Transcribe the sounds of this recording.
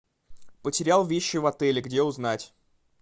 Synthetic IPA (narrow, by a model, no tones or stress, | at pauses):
pətʲɪɾʲalˠvʲeɕːɪvɐt̪ɛlʲɪɡdʲeʊznatʲ